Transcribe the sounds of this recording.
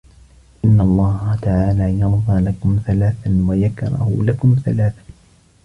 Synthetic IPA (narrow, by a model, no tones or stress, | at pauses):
ʔɪnːalˤːɑːhat̪aʕaːlaːjɑɾˤðˤɑːlakʊmθalaːθanwajakɾˤɑ̰hʊ̰lakʊmθa̰laːθḁ